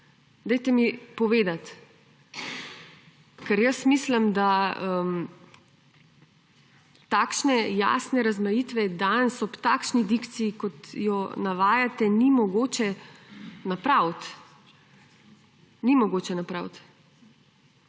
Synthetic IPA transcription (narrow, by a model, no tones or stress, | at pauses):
d̪ɛjt̪ɛmipɔʋeːd̪at̪ | kɛɾjəsmisləmd̪aəm | t̪akʃnɛja̰ːsnɛɾazmajit̪ʋɛd̪ansɔpt̪aːkʃnid̪ikt̪sijikɔt̪jɔnaʋaːjat̪ɛnimɔɡoːt͡ʃɛ | napɾawt̪ | nimɔɡoːt͡ʃɛnapɾa̰wt̪